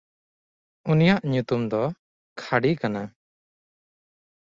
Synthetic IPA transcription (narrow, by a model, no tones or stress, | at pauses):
unijaʔɲut̪umd̪ɔ | kʰaɽikana